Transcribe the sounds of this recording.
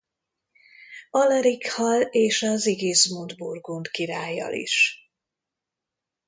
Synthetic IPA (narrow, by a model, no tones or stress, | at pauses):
ɒlɛɾikhɒleːʃɒziɡeːzmud̪burɡunt̪kiɾaːjːɒ̰lḭʃ